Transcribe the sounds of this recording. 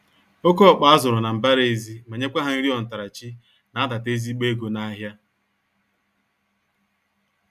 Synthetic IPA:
o˦ko˦ɔ˨k͡pa˨a˦zʊ˨ɾʊ˨na˨m̩˨ba˦ɾe˨zi˦ma˨ɲe˦kʷa˦ɦa˨n̩˦ɾi˦ɔ˨n̩˨ta˨ɾa˨t͡ʃi˦ | na˨a˦da˨te˦zi˦k͡pe˦ɡo˨na˦ɦja˦

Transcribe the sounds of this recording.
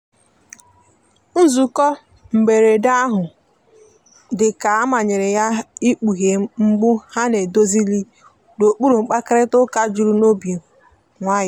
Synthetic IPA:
n̩˦zu˨kɔ˦ | m̩˨be˨ɾe˨da˦ɦʊ˨ | dɪ˨ka˨a˦ma˨ɲɪ˨ɾɪ˨ja˦i˦k͡pu˨ɦe˨˦ŋ͡m̩˦ɡ͡bʊ˦ha˦ne˨do˦zi˦li˦ | do˨k͡pu˦ɾu˨ŋ͡m̩˨k͡pa˦kɾɪ˦tʊ˦ka˦d͡ʒu˨ɾu˨˦no˦bje˨ | ŋʷa˦jɪ˦

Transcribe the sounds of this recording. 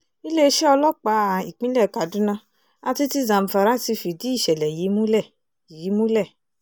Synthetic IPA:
i˦le˦˧ʃɛ˦ɔ˧lɔ˦k͡pa˨˦˨i˨k͡pĩ˦lɛ˦˨ka˨dũ˨˦nã˧ | a˧ti˧ti˧zã˨m̩˨fa˨˧ɾa˦si˧fi˨di˨˦i˦˨ʃɛ˨lɛ˨ji˨˦mũ˦lɛ˦˨ | ji˨˦mũ˦lɛ˦˨

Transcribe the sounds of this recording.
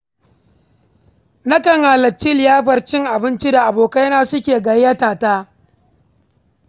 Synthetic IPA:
nɐ˦kɐ˨ŋha˨lɐ˨t͡ʃːi˦ljaː˦ɸɐ˨rt͡ʃɪ˦ŋʔa˨bɪ˦nt͡ʃi˦da˨ʔa˨boː˨ka˦jɐ˦naː˦sʊ˦kʲeː˨ɡɐ˨jjɐ˦taː˨taː˦

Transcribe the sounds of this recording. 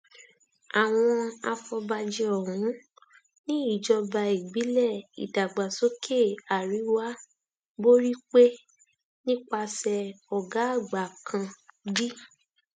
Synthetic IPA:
a˨w̃ɔ̃˧a̰˧fɔ˧ba˧d͡ʒɛ˧ɔ˨ɾũ˨˦ | nĩ˦i˦˨d͡ʒɔ˧ba˧i˨ɡ͡bi˨˦lɛ˦˨ḭ˨da˨ɡ͡ba˨so˨˦kʰe˦˨a˨ɾi˨˦wa˦ | bo˦ɾi˦k͡pe˦ | nĩ˦k͡pa˧sɛ˧ɔ˨ɡa˨˦˨ɡ͡ba˨kʰã˧bi˦

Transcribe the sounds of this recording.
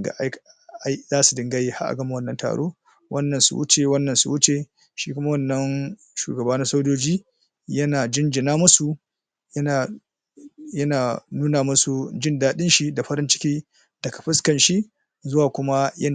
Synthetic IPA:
ɡa̰˨ʔa˦jka˦jzaː˦su˨dɪ˨ŋɡa˦jeː˦ha̰˦ʔa̰˨ɡɐ˦ma˨wɐ˦nːɐ˨nta̰ː˨ɽo̰ː˦ | wʔɐ˦nːɐ˨nsṵ˨wʊ̰˦t͡ʃe˨wɐ˦nːɐ˨nsṵ˨wʊ˦t͡ʃe˨ | ʃiː˦kʷʊ˦ma˦wɐ˦˨nːɐ˦n | ʃṵː˨ɡɐ˨baː˦na˦sa˦wd͡ʒoː˦d͡ʒiː˦ | jɐ˦naː˨d͡ʒɪ˦nd͡ʒɪ˨naː˦mʊ˦su˨˦ | a˨ | jɐ˦naː˨nuː˦naː˨mʊ˦su˨d͡ʒɪ˦ndaː˦ɗɪ˦nʃi˦da˨ɸɐ˦ɾɪ˦nt͡ʃɪ̥˦kʲiː˦ | dɐ˨ka˨ɸɪ˦skɐ˨nʃi˦ | zʊ˦waː˨kʷʊ˦ma˦jɐ˦n˨

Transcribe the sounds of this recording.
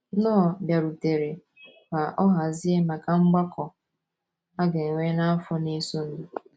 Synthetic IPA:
nɔ˦˨bja˨ɾu˨te˨ɾe˨ | ba˨ʔɔ˦ɦa˨zi˦e˦ma˨ka˦˨ŋ͡m̩˦ɡ͡ba˦kɔ˨ | a˦ɡe˨ŋ˨ŋʷe˦na˦a˦fʊ˦ne˦so˦n̩˦

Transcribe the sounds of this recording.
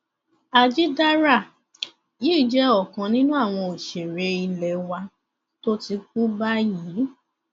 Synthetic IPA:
a˨d͡ʒi˦da˦ɾa˦˨ | ji˦˨d͡ʒɛ˦ɔ˦˨kã˨nĩ˦nũ˦a˦˨w̃ɔ̃˧o˨ʃe˨ɾe˧˦i˧lɛ˨wa˧ | to˦ti˧k̚u˦ba˦jiː˨˦

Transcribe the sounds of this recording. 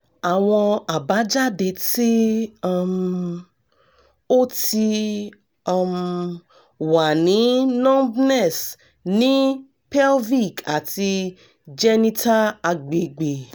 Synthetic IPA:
a˨w̃ɔ̃˧a˨ba˨˦d͡ʒa˦de˧ti˦a˦m | o˦ti˧ | ɔ˦m | wa˨nĩ˨˦nɔ̃˦bnɛ˦˨s | nĩ˨˦ | pɛ˦lvi˦˨ka˨ti˧ | d͡ʒɛ˦nĩ˦tʰa˦a˧ɡ͡be˨ɡ͡be˨

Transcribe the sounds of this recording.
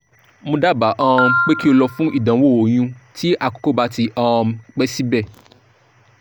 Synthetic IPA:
mõ˧da˦˨ba˨ʔã˧˦˧k͡pe˦ki˦o˧lɔ˧fũ˦ʔi˦˨dã˨˦wo˦˨o˨j̃ũ˧ti˦ʔa˦˨ko̥˨˦ko˦ba˦ti˧ʔã˧˦k͡pɛ˦si˦bɛ˦˨

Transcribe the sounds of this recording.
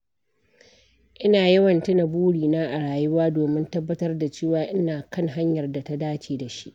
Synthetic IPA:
ʔɪ˦naː˨jɐ˦wɐ˨ntɪ˦nɐ˨buː˦ɽiː˨naː˦ʔa˨ɽaː˨jʊ˦waː˦doː˨mɪ˦ntɐ˦bːɐ˦tɐ˦rda˨t͡ʃeː˦˨waː˨ʔɪ˦naː˨kɐ˦ŋɦa˦ɲjɐ˨rda˨ta˦daː˦t͡ʃeː˨da˨ʃi˦ʔ

